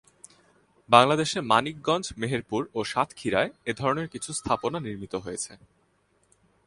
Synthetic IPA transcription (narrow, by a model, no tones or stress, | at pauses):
baŋlad̪eʃeɾmanik̚ɡɔnd͡ʑmeɦeɾpuɾoʃat̪ʰkʰiɾaeed̪ʱɔɾoneɾkit͡ɕʰust̪ʰaponaniɾmit̪oɦojet͡ɕʰe